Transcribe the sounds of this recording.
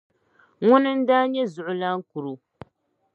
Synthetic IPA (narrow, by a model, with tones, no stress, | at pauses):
ŋʊ˦nɨ˦n̩˦daː˦ɲɛ˦zʊ˨ʔʊ˨la˦ŋ˦ku˨ɾu˨